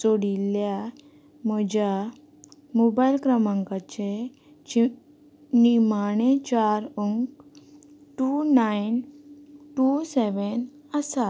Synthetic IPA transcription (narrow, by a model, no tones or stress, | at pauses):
t͡soɽilja | məd͡ʑa | mɔbajlkɾəmãŋkat͡ɕe | nimanet͡ɕaɾuŋ | ʈunajn | ʈusɛʋɛn | əsa